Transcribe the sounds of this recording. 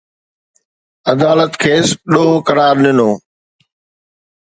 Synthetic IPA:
ɐd̪aːlət̪kʰeːsɗoːkɐɾaːɾnɪnoː

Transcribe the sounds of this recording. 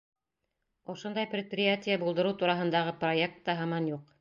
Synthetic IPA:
ŏʃond̪ɑjprʲɪt̪̚prʲɪjatʲɪjəbulˠd̪ɤ̆ɾɤwt̪uɾɑɦɤ̆nd̪ɑʁɤproek̚t̪ːɑɦɑmɑnjuq

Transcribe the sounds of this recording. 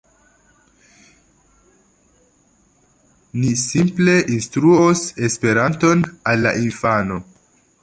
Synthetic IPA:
nisimple̞ʔinstɾuose̞spe̞ɾanto̞nalːa̰ʔinfano̞

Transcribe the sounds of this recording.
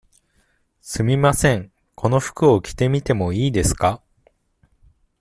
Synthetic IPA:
sɨmʲimasẽ̞ŋ | kʰo̞no̞ɸɯ̥kɯ̟o̞kʲi̥t̪e̞mʲit̪e̞mo̞iːd̪e̞sɨ̥ka

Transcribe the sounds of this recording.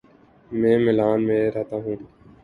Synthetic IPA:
mẽːmɪlaːnmẽːɾɛɦt̪aːɦũː

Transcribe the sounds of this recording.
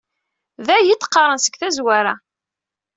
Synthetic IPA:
ðæjit̪ːqːɑɾˤənsəɡθæzwæɾæ

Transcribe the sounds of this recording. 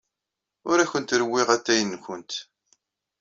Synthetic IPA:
ʊɾæçənt̪ɾəwːɪʁæt̪ːæjənːkʷʊnt̪

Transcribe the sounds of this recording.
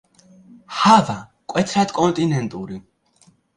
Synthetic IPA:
hava | kʼwɛt̪ʰɾad̪kʼɔnt̪ʼinɛnt̪ʼuɾi

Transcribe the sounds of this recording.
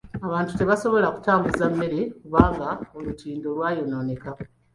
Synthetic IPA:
aβaːntu̥te̞βaso̞βo̞laku̥taːmbuzamːe̞ɾe̞kuβaːŋɡaolutʰiːndo̞lwaːjo̞no̞ːne̞ka

